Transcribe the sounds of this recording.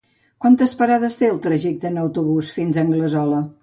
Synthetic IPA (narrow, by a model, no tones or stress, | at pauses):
kwant̪əspəɾaðəst̪eəlˠt̪ɾəʒɛk̚t̪əːnəwt̪uβusfinzəŋɡləzɔlə